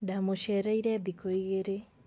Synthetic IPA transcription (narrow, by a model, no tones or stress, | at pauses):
damoʃɛːɾaiɾɛːðikoiɣeɾe